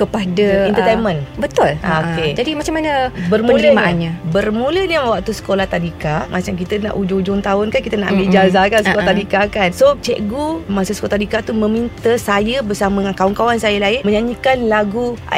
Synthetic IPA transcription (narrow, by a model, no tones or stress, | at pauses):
kəpadaɛnt̪ət̪ejnmə̃nbət̪ʊlaked͡ʒadimat͡ʃamanəbərməũiəmaanɲabərmuləɲawak̚t̪usə̥kolaht̪adikamʔat͡ʃamk̬it̪əna̰ʔud͡ʒʊd͡ʒʊŋt̪aʊnkankit̪ənaʔambiʔd͡ʒazakansəkolat̪adikaːkansot͡ʃɛʔɡumasuskolat̪adikat̪umə̃mint̪əsajəbərsaməŋankauŋkawansajəlaɪnməɲaɲikanlaɡua̰